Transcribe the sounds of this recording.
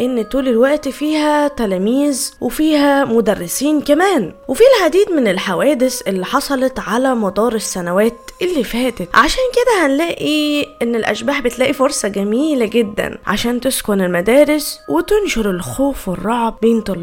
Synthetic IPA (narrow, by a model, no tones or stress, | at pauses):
ʔenːt̪uːlelwæʔt̪ifiːhæt̪ælæːmiːzwefiːhæmod̪ærːesiːnkæmæːnwefiːlʕad̪iːd̪menelħawæːd̪esʔelːiħɑsˤɑlɑt̪ʕalæmɑd̪ˤɑːɾˤesːænæwæːt̪ʔelːiːfæːt̪et̪ʕaʃæːnked̪æhænlæːʔiʔenːelʔæ̰ʃbaːħbet̪læːʔifoɾsˤɑɡæmiːlæɡed̪ːæ̰nʕa̰ʃæːnt̪eskonelmæd̪æːɾeswet̪enʃoɾelxoːfwerˤːɑʕbbeːnt̪u